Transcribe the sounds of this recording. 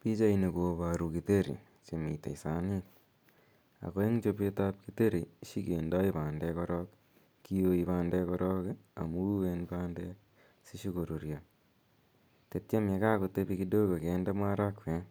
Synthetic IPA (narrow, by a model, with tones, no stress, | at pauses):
pi˦t͡ʃa˦ine˨kopa˨ɾu˨kite˦ɾḭ˨ | t͡ʃe˨mḭ˨tḛ˨isa˨nik | a̰˨ko˦e˦ŋt͡ʃo˧pe˦tap̚kite˦ɾi˨ʃi˦kenda˦ipaː˨ndɛkɔ˦ɾɔk | kːi˦jo˧ipaː˦ndɛkɔɾɔ˦ka̰˨mu˦wenpaːndɛ | si˦ʃi˦ko˨ɾo˨ɾja | te˨tt͡ʃe˦me˧ka˦kote˦pi˦kido˦ko˨kenda˦ma˦ɾa˦kwe˨n